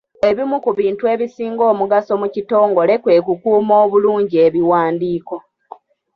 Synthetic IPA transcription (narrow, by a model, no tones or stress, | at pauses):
e̞βimukuβiːntue̞ːβisiːŋɡo̞ːmuɡaso̞mucito̞ːŋɡo̞le̞kwe̞ːk̬ukuːmo̞ːβuluːɲɟieβiwaːndiːko̞